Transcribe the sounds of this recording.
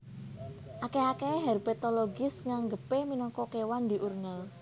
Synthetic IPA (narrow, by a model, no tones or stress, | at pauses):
ʔakeakeɦɛrbɛt̪oloɡɪsŋaŋɡəpeminɔŋkɔkewand̪i̤ʔurŋəl